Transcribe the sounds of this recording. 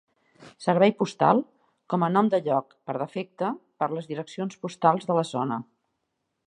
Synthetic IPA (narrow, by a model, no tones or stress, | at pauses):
səɾβɛjpust̪a̰lˠ | kɔmənɔmd̪əʎɔkpəɾðəfek̚t̪əpəɾləzðiɾəksionspust̪alˠzðələzonə